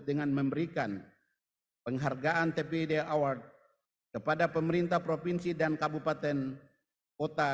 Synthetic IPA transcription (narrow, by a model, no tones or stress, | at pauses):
t̪̚dəŋanməmbəɾikan | pəŋɦarɡaʔant̪epedeaward̪̚ | kəpadapəməɾint̪ahpɾopinsidankabupat̪ɛn | kot̪a